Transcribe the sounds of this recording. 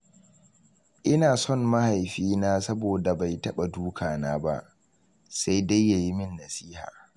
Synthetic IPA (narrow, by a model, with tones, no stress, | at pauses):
ʔɪ˦naː˨sɔ˦˨nma˦ha˨jɸiː˦naː˦sɐ˦boː˨da˨ba˨jtɐ˦ɓa˨duː˦kʰaː˨naː˦ba̰˦ʔ | sa˦jda˦jːa˨ji˦mɪ˦nːɐ˨siː˦ha̰ː˨